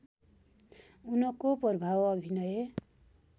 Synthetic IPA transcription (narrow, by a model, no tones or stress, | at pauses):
unʌkopʌrbʱawʌbʱinʌje